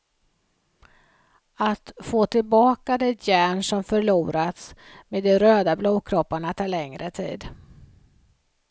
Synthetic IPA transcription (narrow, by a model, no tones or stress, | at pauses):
at̪foːt̪ʰɪlbɑːkad̪ɛjæːɳʂɔmfœɭuːɾat̪smeːd̪ɛɾøːd̪abluːkʰɾɔpːaɳat̪ʰɑːɭɛŋɾʔət̪ʰḭːd̪